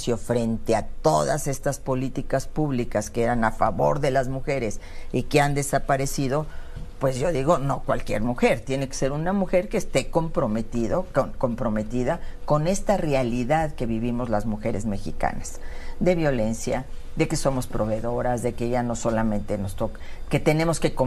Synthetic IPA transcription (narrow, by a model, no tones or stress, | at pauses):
sjo̞fɾe̞nt̪e̞at̪o̞ða̰se̞st̪aspo̞lit̪ikaspuβlikaskeeɾanafa̰βo̞̰ɾðe̞lazmuxe̞ɾe̞s | ikeand̪e̞sapaɾe̞siðo̞ | pwe̞zʝo̞ðiɣo̞no̞kwalkje̞ɾmuxe̞ɾt̪je̞ne̞ke̥se̞ɾunamuxe̞ɾkeːst̪e̞ko̞mpɾo̞met̪iðokoko̞mpɾo̞me̞t̪iðako̞ne̞st̪arealiðaðke̞βiβ̞imo̞zlazmuxe̞ɾezme̞xḭka̰nasðe̞βjo̞le̞nsja̰ | ðe̞ke̞so̞mo̞spɾo̞βe̞ðo̞ɾazðe̞keʝano̞so̞lamẽ̞nt̪e̞no̞st̪okke̞t̪e̞nemo̞ske̞ko